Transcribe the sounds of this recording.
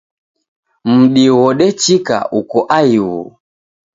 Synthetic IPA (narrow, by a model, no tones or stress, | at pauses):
m̩ɗiwɔɗɛt͡ʃika̰ʔukɔʔaiwṵ